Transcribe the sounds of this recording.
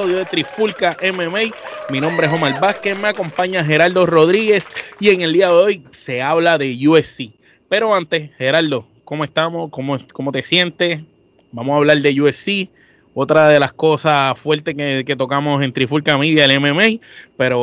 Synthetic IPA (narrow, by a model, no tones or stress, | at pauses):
oðjoðet̪ɾifulkaʔememejminõmbɾeeɦomalbaskeme̞ako̞mpaɲaɦe̞ɾald̪o̞ro̞ðɾiɣe̞sie̞ŋe̞ld̪iaðeo̞jse̞aβlaðe̞ʝuesi | pe̞ɾo̞ãnt̪e̞she̞ɾald̪o̞ | komoe̞st̪amo̞skomokomo̞t̪e̞sje̞nt̪e̞ | bamosaβlald̪e̞ʝuesi | o̞t̪ɾaðe̞lasko̞safwe̞ɾt̪ekeke̞t̪o̞kamo̞se̞nt̪ɾifulkamiðjaelememejpe̞ɾo